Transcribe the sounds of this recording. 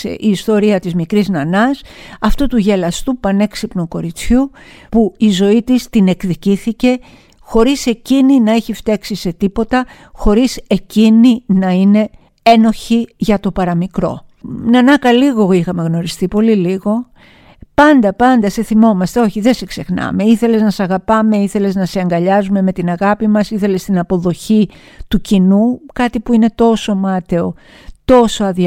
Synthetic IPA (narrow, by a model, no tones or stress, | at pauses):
sḛʔiːst̪o̞ɾiɐt̪izmikɾiznɐnɐsɐft̪ut̪uʝe̞lɐst̪upɐne̞ksipnuko̞ɾit͡sçupuizo̞it̪ist̪ine̞kðiciθice̞ | xo̞ɾise̞cininɐeçift̪eksise̞t̪ipo̞t̪ɐ | xo̞ɾise̞cininɐine̞ | e̞no̞çiʝɐt̪o̞pɐɾɐmikɾo̞̰nɐnɐkɐliɣo̞ixɐme̞ɣno̞ɾist̪ipo̞liliɣo̞ | pɐnd̪ɐpɐnd̪ɐse̞θimo̞mɐst̪e̞o̞çiðe̞sekse̞xnɐ̰me̞iθe̞leznɐsɐɣɐpɐme̞iθe̞le̞znɐseɐŋɡɐʎɐzume̞me̞t̪inɐɣɐpimɐsiθe̞le̞st̪inɐpo̞ðo̞çi | t̪ucinukɐt̪ipuine̞t̪o̞so̞mɐt̪e̞o̞ | t̪o̞so̞ɐði